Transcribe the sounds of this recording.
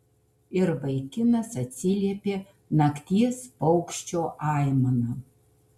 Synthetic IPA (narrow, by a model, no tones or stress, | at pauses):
ɪɾbɐɪkʲɪnɐsɐt̪ʲsʲɪlʲiɛpʲeː | nɐkt̪ʲiɛspɐʊkʃʲt͡ʃʲoːʔɑɪmɐnɐ